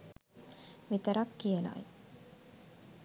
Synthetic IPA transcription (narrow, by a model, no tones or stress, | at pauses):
ʋit̪ɐɾɐkːijɐna̰i